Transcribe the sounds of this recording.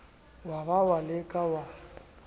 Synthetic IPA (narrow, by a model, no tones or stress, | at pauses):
waβawalɪkʼawa